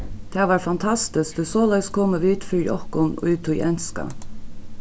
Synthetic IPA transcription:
t̪ʰɛːʋɑːɾfɑnt̪ʰɑst̪ɪsk̚d̪esoːlæɪskʰoːməʋiːt̪fijɔ̰hkʊnɔ̰ʉːt̪ʰuɛ̰nskɑ̰

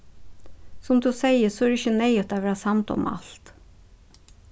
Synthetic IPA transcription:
sɔmd̪ʉːseɪəsɔæːɾɪçənæɪət̪d̪æːʋæːɾɑsɑmt̪ɔ̰mɑ̰lt̪

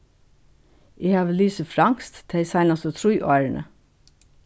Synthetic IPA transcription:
ʔeːhɑːʋəlyːsəfɾɑŋst̪t̪ʰeɪsɑɪnɑsɔt̪ʰɾʊʏʔoæɹəɳə̰

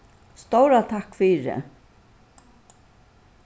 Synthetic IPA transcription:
st̪owɾat̪ʰakːfiːɾɪ̰

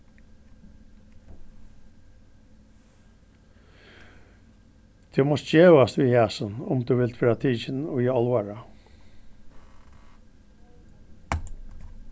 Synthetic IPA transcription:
d̪̥ʰeːmɔsd͡ʒeːʋɑst̪ʋiːhæːsənʊmd̪ʉːʋɪlt̪ʰɑːt̪ʰiːçənoːjiːɑlʋɑɹɑ

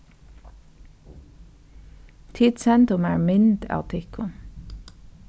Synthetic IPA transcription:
t̪ʰiːd̪sɛnt̪ʊmæːɹmʏnd̪ɑ̰ːt̪ʰɪkʰʊn

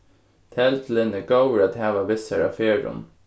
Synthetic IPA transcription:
t̪ʰɛlt̪lɪnɛɡowɾaːt̪hɛːʋaʋɪsaɹa̰feːɹʊ̰n

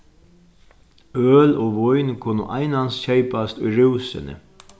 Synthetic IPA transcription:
øːloːʋɔjnkʰʊnʊ̰ʔajnansɕejpast̪ʊjɾuwsɪ̰nɪ̰

